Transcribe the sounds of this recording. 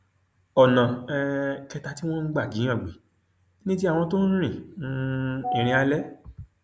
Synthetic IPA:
ɔ˨nã˨ɛ˧kɛ˧ta˧˦ti˦w̃ɔ̃˦n̩˦ɡ͡ba˦˨ɡĩ˨˦ã˦˨ɡ͡bi˨˦ | nĩ˦t̬i˦a˦˨w̃ɔ̃˧to˦ñ̩˦ɾ̃ĩ˦˨nũ˦i˨ɾ̃ĩ˧a˧lɛ˦

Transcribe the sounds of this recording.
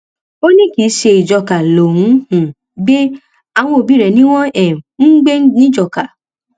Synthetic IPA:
o˦nĩ˦ki˨˦ʃe˧i˨d͡ʒɔ˧ka˨lo˨ɾũ˨˦hũ˨ | ɡ͡be˦ | a˨w̃ɔ̃˧o˨bi˨˦ɾɛ˨nĩ˦w̃ɔ̃˦ɛ˨n̩˦ɡ͡be˦nĩ˦d͡ʒɔ˧˨ka˨

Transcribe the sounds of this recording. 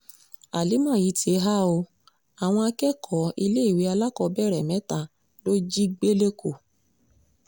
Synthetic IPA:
a˨li˨˦mã˦˨ji˨˦tʰe˧˦ɦa˦o˧ | a˨w̃ɔ̃˧a˧kɛ˦kʰɔ˨˦i˧le˦i˦˨wi˨˦a˧la˦kɔ˧bɛ˦˨ɾɛ˨mɛ̃˨˦ta˧˨ | lo˦d͡ʒi˦ɡ͡be˦le˦kʰo˨

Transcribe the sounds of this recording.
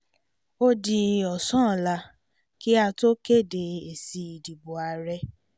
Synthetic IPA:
o˦di˧ɔ˨sɔ̃˦˨la˧ | ki˦a˧to˦ke˦˨de˧˨e˨si˧i˨di˨bo˨a˧ɾɛ˧

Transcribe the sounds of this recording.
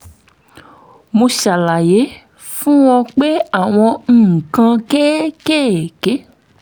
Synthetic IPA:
mũ˧ʃa˨la˨je˨˦ | fũ˦w̃ɔ̃˧k͡pe˦a˨w̃ɔ̃˧ŋ̩ː˦˨kã˧ke˦ke˦˨ke˦

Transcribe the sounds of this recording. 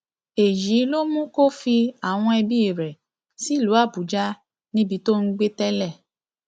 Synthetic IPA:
e˨ji˨˦lo˦mũ˦ko˦fi˧a˨w̃ɔ̃˧ɛ˧bi˦i˦˨ɾɛ˨ | si˦˨lu˨˦a˦˨bu˨˦d͡ʒa˦ | nĩ˦bi˧to˦n̩˦ɡ͡be˦tɛ˦lɛ˦˨

